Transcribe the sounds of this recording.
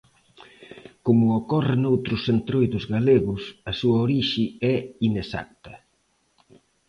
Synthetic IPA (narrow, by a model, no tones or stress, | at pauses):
komʊːkɔrɪnowt̪ɾʊsːent̪ɾojðʊzɣaleɣʊsɐsuɐoɾiʃiɛinesa̰k̚t̪ɐ